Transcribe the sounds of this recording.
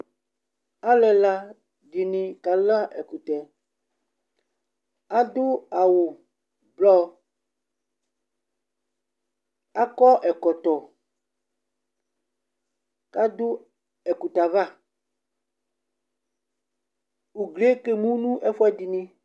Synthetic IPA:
a˦lɛ˨la˦ | di˨nĩ˨ka˨la˦ʔɛ˨ku˨t̪ɛ˨ | a˦d̪o˦a˨wo˨ | blɔ˦ | a˦kɔ˦ʔɛ˨kɔ˨t̪ɔ˨ | ka˦d̪o˦ | ɛ˨ku˨t̪a˨va˦ | u˨ɡle˦ke˦mũ˦nũ˦ʔɛ˦fɔ˦ɛ˦di˨nĩ˦

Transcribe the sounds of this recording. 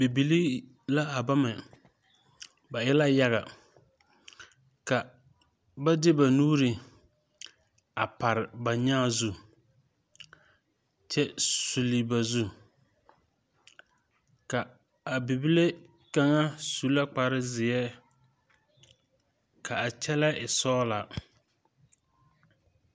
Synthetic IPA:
bi˨bi˨li˦ | la˦a˨ba˦mɛ˨ | ba˨jɛ˦la˦ja˦ɣa̰˨ | ka˨ | ba˦dɪ˦ba˨nuː˦ɾɪ˨ | a˨pa˨ɾɪ˨ba˨ɲaː˦˨zu˦ | t͡ʃɛ˦su˨li˨ba˨zu˦ | ka˨ | a˨bi˨bi˦le˦ | ka˦ŋa˦su˦la˦k͡pa˨ɾɪ˦zɪ˨ɛ˦ | kʰa˨a˨t͡ʃɛ˦la˦ʔɪ˨sɔː˦la˨

